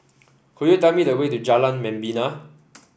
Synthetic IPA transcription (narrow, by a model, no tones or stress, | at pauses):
hojotamidəwetud͡ʒalãnmɛ̃mbina